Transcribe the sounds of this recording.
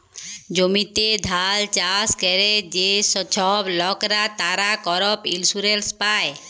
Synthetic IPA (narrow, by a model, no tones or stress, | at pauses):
d͡ʒomit̪ed̪ʱalt͡ʃaskɛɾed͡ʒesɔt͡ʃʰɔblɔkɾat̪aɾakɔɾɔpilsuɾelspaj